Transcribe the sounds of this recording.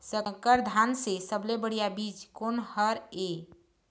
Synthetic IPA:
səkəɾd̪ʱansesəblebəɽ̤ijabid͡ʒkonhəɾe

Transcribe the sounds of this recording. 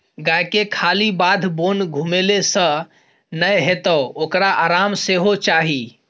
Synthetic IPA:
ɡajkekʰalibad̪ʱbonɡʱumelesə̃ | nəjɦet̪əokɾaʔaɾamseɦot͡ʃaɦi

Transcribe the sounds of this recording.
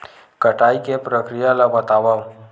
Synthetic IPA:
kəʈaːikepɾəkɾijalabɐt̪aːʋa

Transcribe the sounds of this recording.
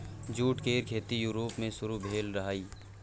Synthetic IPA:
d͡ʒuːʈkeːɾkʰeːt̪ijuːɾoːpmẽsʊɾubʱeːlɾɐɦaːiː

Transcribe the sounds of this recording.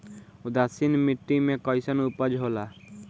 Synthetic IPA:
ud̪asinmiʈːimekɔjsənupəd͡ʒɦola

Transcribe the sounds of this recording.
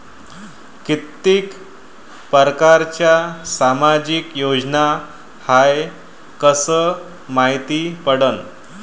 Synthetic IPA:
kit̪ːik | pəɾkaɾt͡ɕjasamad͡ʑikjod͡zna | haj | kəsə | maɦit̪ipəɽən

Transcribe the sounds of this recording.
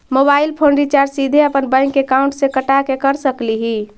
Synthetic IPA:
mobailpʰonɾit͡ʃaɾsid̪ʱeəpənbə̃ŋkːekauɳʈsẽkəʈakekəɾsəkliɦi

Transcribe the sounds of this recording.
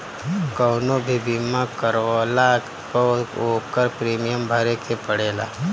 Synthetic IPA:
kəːnobʱibʱimãkəɾaːla | pəoːkəɾpɾeːmijəmbʱɐɾekʰepəɽeːla̰ː

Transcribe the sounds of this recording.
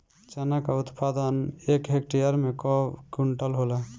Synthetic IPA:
t͡ʃənakaut̪pad̪ənekɦekʈijəɾmekɔkuɳʈəlɦolɛ

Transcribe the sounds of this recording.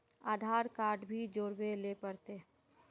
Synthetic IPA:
aːd̪ʱaːɾkaːɾɖbʱid͡ʒoːɾbelepəɾt̪e

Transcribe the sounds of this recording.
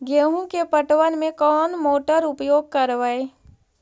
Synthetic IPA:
ɡeːɦũkepəʈwənmẽkɔːnmoːʈəɾʊpjoːɡ̚kɐɾʋaeː

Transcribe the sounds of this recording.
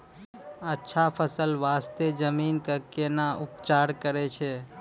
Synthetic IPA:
ətːʃʰapʰəsəlʋaːst̪ed͡ʒəminkəkenaʔʊpt͡ʃaːɾkəɾet͡ʃʰe

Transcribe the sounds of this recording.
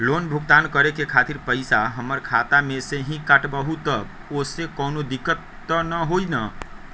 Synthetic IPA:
lonbʱuɡt̪ankəɾekekʰat̪iɾpəɪsaɦəməɾkʰat̪amẽseɦĩkəʈbəɦut̪əb | osekɔːnod̪ikːət̪ːənəɦoinə

